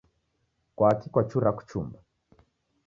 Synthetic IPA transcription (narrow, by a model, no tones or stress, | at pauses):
kwakikwat͡ʃuɾaku̥t͡ʃṵmba